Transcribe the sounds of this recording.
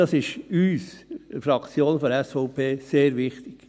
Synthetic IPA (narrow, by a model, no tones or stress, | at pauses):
ɑsɪʃyːsfɾɑkt͡sjoːnfɔɾɛsfɔʊpʰeːseːɾʋɪχt̪ɪk